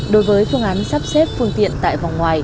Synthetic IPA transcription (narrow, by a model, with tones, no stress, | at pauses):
ɗo˨˦jvəː˨˦jfɨ˧əŋʔaː˨˦nsaː˦˥p̚se˦˥t̚fɨ˧əŋt̪ḭ˧˨ənt̪a̰ː˧˨jva˨˩wŋ͡mŋwaː˨˩j